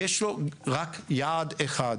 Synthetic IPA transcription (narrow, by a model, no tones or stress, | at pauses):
jeʃloʁakjaːd̪eχad